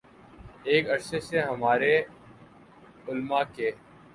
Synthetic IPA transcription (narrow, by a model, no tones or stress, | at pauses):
eːkəɽseːseɦəmaːɾeː | ʊlmaːkeː